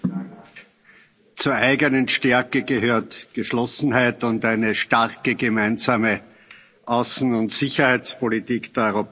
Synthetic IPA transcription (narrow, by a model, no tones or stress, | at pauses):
t͡suːɐʔæɪɡənənʃtɛɐkəɡəɦøːɐtɡ̥əʃlɔsn̩hæɪtʊntæɪnəʃtaʁkəɡəmæɪnzaːmə | ʔaʊsn̩ʊntz̥ɪçɐhæɪt͡spolitiːkd̥eːɐɔʏʁop